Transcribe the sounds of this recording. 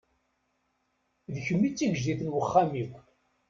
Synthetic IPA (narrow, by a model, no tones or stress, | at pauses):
ðəçəmːit͡sːiʝʒd̪iθənwəχːamikʷ